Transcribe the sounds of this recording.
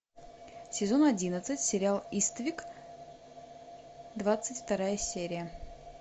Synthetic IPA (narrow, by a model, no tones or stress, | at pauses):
sʲɪzo̞nɐdʲinət̪sɨtʲsʲɪɾʲɪalˠist̪əvʲik | d̪vat̪sɨtʲft̪ɐɾajəsʲeɾʲɪjə